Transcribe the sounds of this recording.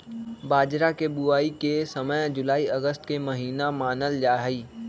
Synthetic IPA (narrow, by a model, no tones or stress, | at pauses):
baːd͡ʒɾakebʊaːikesəməjd͡ʒʊlaːiɐɡəst̪kemɐɦiːnamaːnəld͡ʒaːɦiː